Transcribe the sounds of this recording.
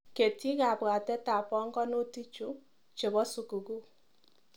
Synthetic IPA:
ke˨ti˦ka˨bwa˨tɛ˦ta˨pɔ˦ŋɡɔ˦no˦ti˦t͡ʃu˦ | t͡ʃe˨βɔ˦su˨ku˨ɡu˦

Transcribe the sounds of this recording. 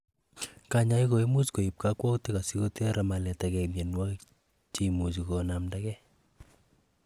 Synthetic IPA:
ka˦ɲa˦iko˨i˦mu˦sko˨i˨p̚ka˦kwɔ˦kti˦ka˨si˦ko˦te˦ɾa˨ma˨lɛ˨takɛ˨mje˨nwa˦ | t͡ʃe˦mu˨s̬i˨kɔnamda˦kɛ˦

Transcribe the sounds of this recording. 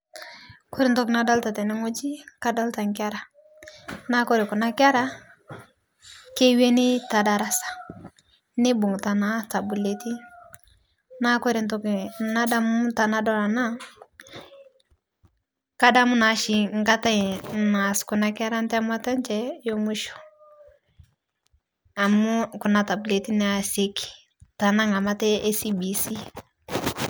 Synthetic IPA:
kɔ˦ɾɪ˨ntɔ˦kna˨da˦lta˨tɛ˨nɪ˦ŋo˦d͡ʒi˦ka˦da˦lta˨ŋkɪ˦a˦ɾa˨ | na˦kɔ˦ɾɪ˨ku˨na˦ka˦ɾa˦ | ke˦we˦nɪ˦ta˨da˨ɾa˦sḁ˨ | nɪ˦bu˨ŋta˨na˦ta˨bu˨le˦ti˦ | na˦kɔ˦ɾi˨ntɔ˨kna˦da˦m˦ta˨na˦dɔ˦la˨na˦ | ka˦da˦mu˦na˨˦ʃi˨ŋ˦ka˦ta˦˨na˨sku˨na˦kɛ˦ɾa˦ntɛ˦a˦mu˦a˦ta˦nt͡ʃɛ˦jo˦mu˦ʃɔ̥˨ | a˨mu˦ku˨na˨ta˨bu˨le˨ti˦n˦a˨se˦ki̥˨ | ta˨na˦ŋa˨ma˦tɛ˦e˦si˦bi˨si˦

